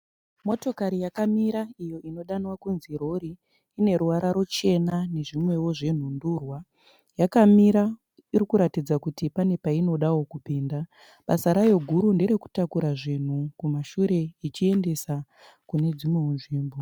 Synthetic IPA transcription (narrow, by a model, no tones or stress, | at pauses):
mo̞to̞kaɾijakamiɾaijo̞ʔino̞ɗanwakunziɾo̞ɾiː | ne̞ɾuʋaɾaɾo̞t͡ʃe̞nane̞ʐimwe̞wo̞ʐe̞n̤unduːrwa | jakamiɾa | iɾikuɾatid͡zakutipane̞paino̞ɗawo̞kupiːnda | ɓasaɾajo̞ɡʱuɾunde̞ɾe̞ku̥takuɾaʐin̤ukumaʃuɾe̞it͡ʃie̞nde̞sa | kune̞d͡zimwe̞unʐiːmbo